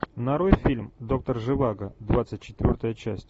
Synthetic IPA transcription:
nɐɾo̞jfʲilʲmd̪o̞k̚t̪ərʐɨvaɡəd̪vat̪sɨt̚ʲt͡ɕːɪ̥t̪vʲo̞rt̪əjət͡ɕæsʲtʲ

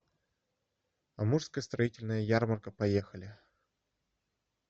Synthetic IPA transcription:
ɐ̰muʂskəjəst̪ɾɐitʲɪlʲnəjəjarmərkəpɐjexəlʲɪ

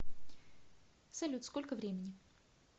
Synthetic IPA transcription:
sɐlʲut̪skolʲkəvɾʲemʲɪnʲɪ

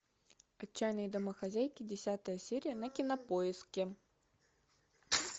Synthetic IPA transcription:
ɐt͡ɕːæjnəjd̪ɐməxɐzʲæjkʲɪdʲɪsʲat̪əjəsʲeɾʲɪjənɐkʲɪnɐpoɪskʲɪ

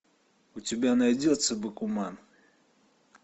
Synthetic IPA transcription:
ut͡sʲibʲanajd͡zʲɔt̪sɐbɨkuman

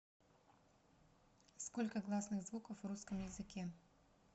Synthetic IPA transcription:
skolʲkəɡlˠasnɨɣzvukəfvruskəmjɪzɨkʲe

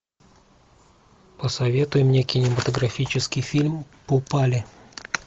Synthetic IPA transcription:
pəsɐvʲe̞t̪ʊjɪmnʲekʲɪnʲɪmət̪əɡɾɐfʲit͡ɕɪskʲɪjfʲilʲmpopalʲɪ

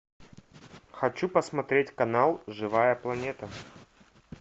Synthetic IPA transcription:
xɐt͡ɕupəsmɐt̪ɾʲetʲkɐnalˠʐɨvajəplˠɐnʲet̪ə

